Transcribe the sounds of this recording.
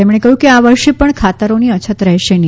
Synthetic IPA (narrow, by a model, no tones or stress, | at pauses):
emɽ̃ekəɦjũkeaʋəɾʃepəɳkʰat̪əɾoniət͡ʃʰət̪ɾəɦʃeni